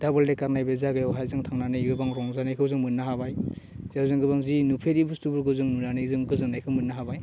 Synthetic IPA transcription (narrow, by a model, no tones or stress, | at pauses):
d̥abɯldekaɾnajbezaɡɯjawɦajzɯŋtʰaŋnanɯjɡɯbaŋɾɔŋzanajkʰɯwzɯŋmɯnːaɦabaj | zwzɯŋɡɯbaŋzinupʰeɾibustubɯɾɡɯwzɯŋnunanɯjzɯŋɡɯzɯnajkʰɯwmɯnːaɦabaj